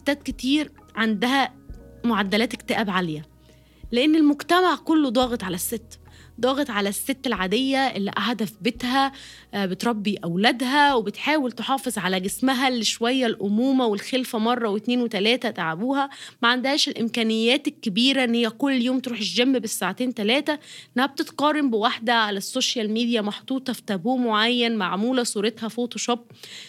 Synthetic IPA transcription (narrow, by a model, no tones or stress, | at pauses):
t̪ːæːd̪̚ket̪iːɾʕand̪æhæmoʕad̪ːælæːt̪ekt̪æʔæbʕaljæ | leʔenːelmoɡt̪æmaʕkolːod̪ˤɑːɣet̪ˤʕalæsːet̪ːd̪ˤɑːɣet̪ˤʕalæsːet̪ːelʕad̪ejːæʔelːḭʔaħd̪æfbet̪hæ | bet̪ɾˤɑbːiʔæwlæd̪ɦæwebet̪ħaːwelt̪eħɑːfezˤʕalæɡesmɦælːiʃwæjːælʔomuːmæwelxelfæmɑrˤːɑwet̪neːnwet̪ælæːt̪æt̪aʕabuːhæmæʕand̪hæːʃelʔemkæːnejːæːt̪elkːebiːɾæʔenːhejːækolːjoːmt̪ɾuːħeʃʒæmːebesːaːʕat̪eːnt̪ælæːt̪æʔenːæhæb̚t̪et̪qɑrˤːɑmbewaħd̪æʕalæsːoʃjælmiːd̪ijæmɑħt̪ˤuːt̪ˤɑfi̥t̪æbuːmoʕajːænmaʕmuːlæsˤuːɾet̪hæfoːt̪oʃob̚